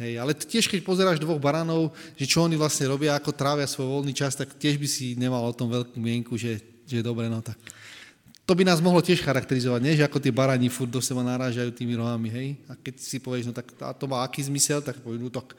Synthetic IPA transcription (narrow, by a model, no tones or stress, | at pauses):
ɦɛjalɛt̪cɪɛʃkɛcpɔzɛɾaːʒd̪ʋɔɣbaɾaːnɔʊʒɛt͡ʃɔɔniʋlasɲɛɾɔbɪaːkɔt̪ɾaːʋɪasʋɔjʋɔlniːt͡ʃast̪aktɪɛʒbisiɲɛmalɔt̪ɔmʋɛʎkumɪɛŋkuʒɛ | ʒɛd̪ɔbɾɛnɔt̪ak̚ | t̪ɔbinaːzmɔɦlɔcɪɛʃxaɾakt̪ɛɾizɔʋaɟɲɛʒɛakɔt̪ɪɛbaɾaːɲifuɾd̪d̪ɔsɛbanaɾaːʒajuːt̪iːmiɾɔɦamiɦɛjakɛcsipɔʋɛʒnɔt̪aka̰t̪ɔmaːakiːzmisɛlt̪akpɔʋɛmut̪ɔk